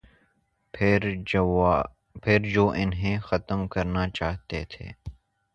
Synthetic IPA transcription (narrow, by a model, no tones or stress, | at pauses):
ɾ | pʰɪɾd͡ʒoːʔɪnɦẽːxɐt̪əmkɐɾnat͡ʃaːɦt̪et̪ʰḛː